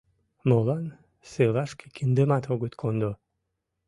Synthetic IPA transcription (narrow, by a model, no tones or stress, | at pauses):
molan | selaʃkʰekʰind̪emat̪oɡet̪kʰond̪o